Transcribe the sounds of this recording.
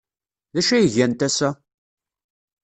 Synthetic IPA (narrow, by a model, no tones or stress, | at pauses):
ðæʃæjəʝænt̪æsæ